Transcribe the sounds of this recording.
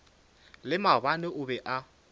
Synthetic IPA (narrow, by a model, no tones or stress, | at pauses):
lɪmaβanɛʔʊbɛʔa